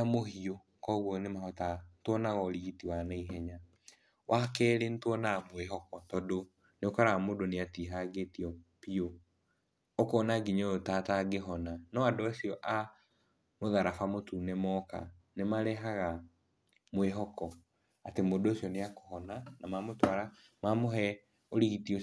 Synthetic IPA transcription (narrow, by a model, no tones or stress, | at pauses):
amohio | kɔɣwɔnemahɔtantwɔnaɣɔɾiɣitiwanaiɦɛɲa | wʔakɛːɾentwɔnamweɦɔkɔtɔdo | neokaɾamodoneatiɦaɡetiɔpio | okoːnaɡiɲootataɡeɦɔnanɔadoasiɔʔa | moðaɾafamotuːnɛmɔka̰ | nemaɾɛɦaɣa | mweɦɔkɔ | atemodosiɔneakohɔnanamamotwaɾa | mamoɦɛ | oɾiɣitio